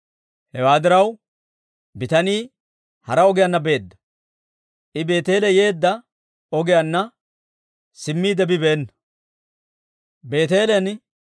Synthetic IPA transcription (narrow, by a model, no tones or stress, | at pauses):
hɛwaːd̪ɪɾɐw | bɪt̪ɐniː | hɐɾɐɔɡɪjɐnːɐbe̞ːd̪ːɐ̥ | ʔɪbe̞ːt̪e̞ːlɛje̞ːd̪ːɐ | ɔɡɪjanːɐ | sɪmːiːd̪ɛbɪbeːnːɐ | be̞ːt̪e̞ːlɛn